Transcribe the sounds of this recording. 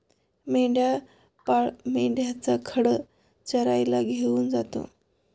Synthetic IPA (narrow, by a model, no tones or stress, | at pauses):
meɳɖja | paɭmeɳɖjat͡sakʰəɽə | t͡ɕəɾajlaɡʱeuːnd͡zat̪o̰